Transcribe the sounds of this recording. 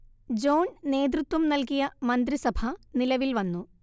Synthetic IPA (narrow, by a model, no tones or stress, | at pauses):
d͡ʑo̞ːnne̞ːd̪ɾut̪ʋɐmnɐlkijɐmɐnd̪ɾisɐbʱɐnilɐʋilʋɐnːu